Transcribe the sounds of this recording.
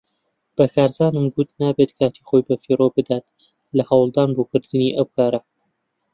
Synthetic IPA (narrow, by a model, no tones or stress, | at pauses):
b̥ɐkʰaːɾzaːnɨmɡʊt̪naːbet̪kʰaːt̪ʰiχojbɐfiːroːbɨd̪aːt̪ | lɐhɐwlˠd̪aːnboːkɨɾd̪ɨniʔɐwkʰaːɾɐ